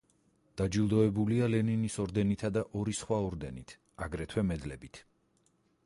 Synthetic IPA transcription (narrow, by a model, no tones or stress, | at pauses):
d̪̥ad͡ʒilˠd̪ɔɛbulialɛninisɔɾd̪ɛnit̪ʰad̪aʔɔɾisχwaɔɾd̪ɛnit̪ʰ | aɡɾɛt̪ʰwɛmɛd̪lɛbit̪ʰ